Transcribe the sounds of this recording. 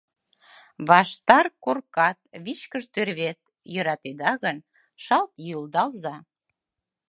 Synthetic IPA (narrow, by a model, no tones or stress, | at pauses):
βɑʃt̪ɑrkorkɑt̪̚βit͡ɕkəʒt̪ørβet̪̚ | jøɾɑt̪ed̪ɑɣən | ʃɑlt̪juld̪ɑlzɑ